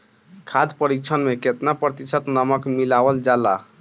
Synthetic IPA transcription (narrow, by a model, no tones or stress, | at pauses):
kʰad̪ʱpəɾik̚t͡ʃʰənmeket̪napɾət̪isət̪nəməkmilabəld͡ʒala̰